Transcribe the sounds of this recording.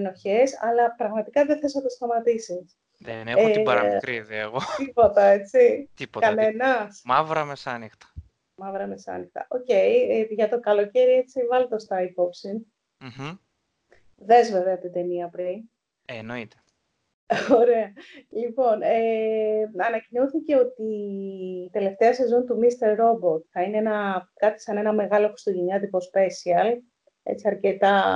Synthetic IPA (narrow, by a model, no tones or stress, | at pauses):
no̞çesɐlɐpɾɐɣmɐt̪ikɐðeθesot̪est̪ɐmɐt̪isis | ðeneɐɾɐkɾiziḛɣot̪ipo̞t̪ɐe̞t͡sit̪ipokɐne̞nɐsmɐvɾɐmesɐnixt̪ɐ̥ | mɐvɾɐmesɐ̰nixt̪ɐ̰ʔo̞ce̞jʝɐt̪o̞kɐlo̞ce̞ɾie̞t͡sivɐlt̪o̞st̪ɐipo̞psin | m̩h̩ | ðe̞zve̞veɐt̪id̪e̞niɐpɾin | enoit̪e̥ | oɾe̞ɐlipo̞ne | ɐnɐcinoθice̞o̞t̪iː | t̪e̞le̞ft̪e̞ɐse̞zo̞nt̪umist̪e̞ɾɾo̞bo̞t̪θɐineenɐkɐt̪i̥sɐne̞nɐme̞ɣɐlokɾi̥st̪oʝeɲɐt̪ipo̞spe̞siɐl | ḛt͡siɐɾce̞t̪ɐ